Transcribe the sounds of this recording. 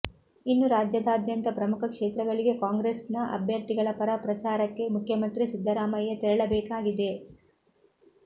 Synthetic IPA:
inːuɾaːd͡ʒjɐd̪aːd̪jɐnt̪ɐpɾɐmukʰɐkʂeːt̪ɾɐɡɐɭiɡe̞kaːŋɡɾesnɐʔɐ̰bʱjɐɾt̪iɡɐɭɐpɐɾapɾɐt͡ʃaːɾɐkːe̞mukʰjɐmɐnt̪ɾisid̪ʱːɐɾaːmɐjːɐt̪iɾɐɭɐbɛːkaːɡid̪e̞

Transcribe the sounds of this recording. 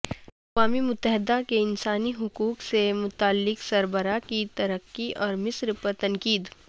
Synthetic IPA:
ɐkʋaːmimʊt̪ːəɦɪd̪akeɪnsaːniɦʊkuːksemʊt̪aːlːɪksɐɾbəɾakit̪ɐɾəqːiʔɔːɾmɪsɾpəɾt̪ɐnkiːd̪

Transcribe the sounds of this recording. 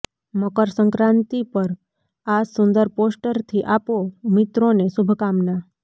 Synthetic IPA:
məkəɾsəŋkɾãnt̪ipəɾ | asʊnd̪əɾposʈəɾt̪ʰiʔapomɪt̪ɾonesubʱkamna

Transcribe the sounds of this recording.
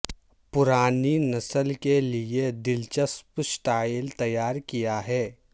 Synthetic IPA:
pʊɾaːninɐsəlkelied̪ɪlt͡ʃəspsʈaːɪlt̪ɐjaːɾkijaɦɛː

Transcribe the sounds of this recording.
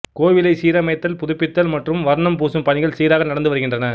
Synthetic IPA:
koːʋɪlɐɪsiːɾɐmɐɪt̪ːɐlpʊðʊpːɪt̪ːɐlmɐʈrɯmʋɐɾɳɐmpuːsɯmpɐɳɪɣɐɭsiːɾaːɣɐnɐɽɐnd̪ɯʋɐɾɯɣɪndrɐnɐ

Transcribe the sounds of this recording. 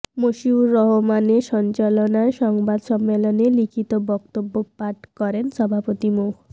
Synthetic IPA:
moʃiuɾːɔɦomaneʃɔnt͡ɕalonaeʃɔŋbad̪ʃɔmːelonelikʰit̪obɔkt̪obːopaʈkɔɾenʃɔbʱapot̪imukʰ

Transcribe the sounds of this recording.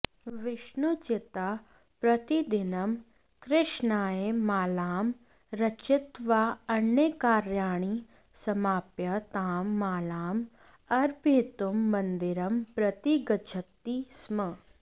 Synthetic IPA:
ʋɪʃnut͡ʃɪt̪a | pɾɐt̪id̪ɪnɐm | kɾɪʃnaːemaːlaːm | ɾɐt͡ʃɪt̪ʋaɐnjekaːɾjaːɳ̃i | sɐmaːpjɐt̪aːmːaːlaːm | ɐɾbʱiːt̪umːɐ̃nd̪ɪɾɐmpɾɐt̪iɡɐd͡ʒʰɐt̪ːismɐ

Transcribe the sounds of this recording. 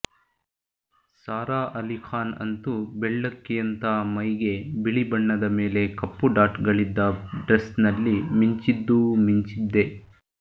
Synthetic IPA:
saːɾaːʔɐlikʰaːnɐ̰nt̪ubɛɭːɐkːijɐnt̪amɐjɡe̞biɭibɐɳːɐd̪ɐme̞ːle̞kɐpːuɖaːʈɡɐɭid̪ːɐɖɾesnɐlːimiɲt͡ʃid̪ːumiɲt͡ʃid̪ːe̞

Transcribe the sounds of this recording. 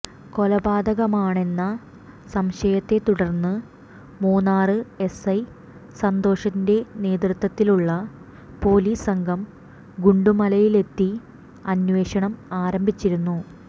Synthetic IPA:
ko̞lɐbaːd̪ɐɣɐmaːɳe̞nːɐ | sɐmɕɐjɐt̪ːe̞t̪uɽɐrnːɨ | muːnaːrɨe̞sɐj | sɐnd̪o̞ːʂɐnde̞ne̞ːd̪rɨt̪wɐt̪ːiluɭːɐ | po̞ːliːsɐŋɡʱɐm | ɡuɳɖumɐlɐjile̞t̪ːi | ɐnʋe̞ːɕɐɳɐmaːɾɐmbʱit͡ɕːiɾunːu

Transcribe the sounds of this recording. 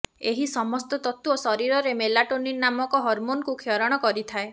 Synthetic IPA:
eɦisɔmɔst̪ɔt̪ɔt̪uosɔɾiɾɔɾemelaʈoninnamɔkɔɦɔɾmonkukʰeɔɾɔɽ̃ɔkɔɾit̪ʰae

